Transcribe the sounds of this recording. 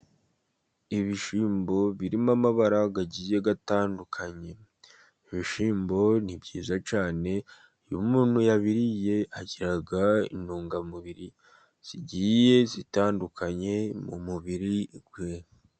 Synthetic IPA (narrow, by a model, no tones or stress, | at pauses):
iβiʃiːmbo̞βiɾimamaβaɾaɡaɟiːje̞ɡataːndukʰaɲe̞ | iβiʃiːmbo̞nibɟiːzat͡ʃaːne̞ | jṵmuːnhujaβiɾije̞aɟiɾaɡaḭnuːŋɡamuβiɾi | z̥iɟiːje̞zitaːndukʰaɲe̞mṵmuβiɾiɡwe